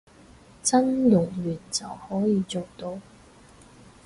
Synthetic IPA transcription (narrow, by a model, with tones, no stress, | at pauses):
t͡sɐ˥nlʊ˨˩ŋjyː˨˩nt͡sɐ˨whɔː˨˥jiː˨˧t͡so˨wt̪o˧w